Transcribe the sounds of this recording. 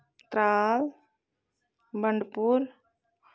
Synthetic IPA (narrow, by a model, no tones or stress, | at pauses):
t̪ɾaːl | bəɳɖpuɾ